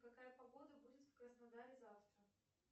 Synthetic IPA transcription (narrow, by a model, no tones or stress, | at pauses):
kɐkajəpɐɡo̞d̪əbudʲɪt̪fkrəsnɐd̪aɾʲɪzaft̪ɾə